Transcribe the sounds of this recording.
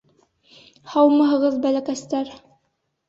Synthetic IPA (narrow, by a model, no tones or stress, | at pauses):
hɑwmɑɦɤ̆ʁɤðbælækæst̪æɾ